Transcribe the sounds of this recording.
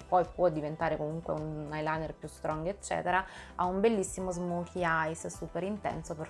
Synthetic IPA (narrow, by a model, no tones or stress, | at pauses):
pːɔjpwɔd̪ːivent̪aːɾekomuŋkwḛunajlanerpjust̪ɾɔŋɡet͡ʃːɛ̰ːt̪eɾaaumbelːisːimozmokʰiajssuːpeɾint̪ɛ̰nsope